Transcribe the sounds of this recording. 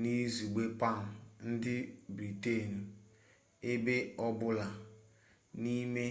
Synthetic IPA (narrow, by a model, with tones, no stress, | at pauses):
ni˦zu˨ɡ͡be˦pa˦˨n̩˨n̩˦dɪ˦bɾi˨te˦˨n̩˨ | e˦be˦ɔ˦bʊ˦la˨ | ni˦me˦